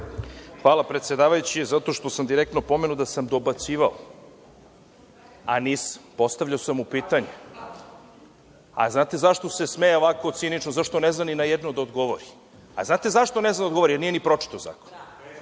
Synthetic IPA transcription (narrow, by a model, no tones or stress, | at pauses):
xʋaːlapɾet̪sjed̪aːʋajut͡ɕizat̪o̞ʃt̪o̞samd̪iɾek̚t̪nopo̞menud̪asamd̪o̞bat̪siːʋao | a̰nisḁmpo̞st̪avʎaosamupiːt̪aɲe | a̰znaːt̪e̞zaʃt̪o̞sesmejeoʋako̞t̪sinit͡ʃnozaʃt̪oneznaninajed̪nod̪aod̪ɡo̞ʋoɾi | a̰znaːt̪e̞zaʃt̪oneznand̪aoɡooɾijeɾnijenipɾo̞t͡ʂi̥t̪oza̰ːko̥n